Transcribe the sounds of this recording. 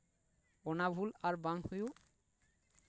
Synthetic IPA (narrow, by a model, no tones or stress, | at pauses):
onabʱulaɾbaŋhuju